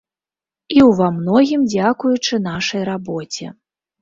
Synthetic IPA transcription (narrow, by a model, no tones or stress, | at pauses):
iwvamnɔɣʲimd͡zʲakujut͡ʂɨnaʂɐjɾabɔt͡sʲɛ̰